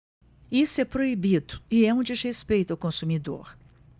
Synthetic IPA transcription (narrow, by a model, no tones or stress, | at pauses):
isʊɛpɾoibid̪ʊɪɛũd͡ʒɪzhespejt̪ʊawkõsumid̪o̰ɾ